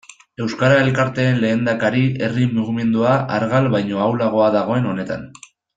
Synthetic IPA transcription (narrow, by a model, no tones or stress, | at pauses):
e̞wskaɾae̞lkaɾt̪e̞ːnle̞ːnd̪akaɾiʔe̞rimuɣime̞nd̪uaʔaɾɣalβajɲo̞awlaɣ̞o̞aðaɣ̞o̞e̞no̞ne̞t̪a̰n